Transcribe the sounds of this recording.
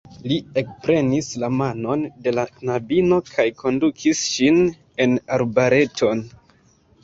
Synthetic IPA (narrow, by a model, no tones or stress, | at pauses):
lie̞k̚pɾe̞nislamano̞nde̞lanabino̞kʰajkʰo̞ndukʰisʃin | e̞naɾbaɾe̞tʰo̞n